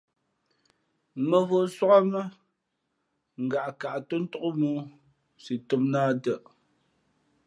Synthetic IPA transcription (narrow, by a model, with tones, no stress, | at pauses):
mə˨vo˦˨˦swa˦ka˦mə˦ | ŋ̩˨ɡa˨ʔka˨ʔtə˦n̩˦to˦ʔo˦muː˦ | si˨to˦m̚naː˦də˦˨ʔ